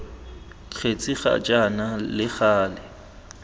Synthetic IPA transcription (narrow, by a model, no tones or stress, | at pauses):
t͡ɬʰet͡sʼiχa̰t͡ʃʼanalɪχaːlɪ